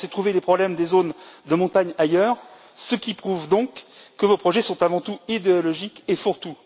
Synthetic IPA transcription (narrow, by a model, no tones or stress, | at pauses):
sɛt̪χuvelepχɔblɛmd̪ezond̪əmɔ̃t̪aɲajœːʁ | səkʲipχuvd̪ɔ̃kːəvopχɔʒɛsɔ̃t̪avɑ̃t̪uid̪eɔlɔʒikefuʁt̪u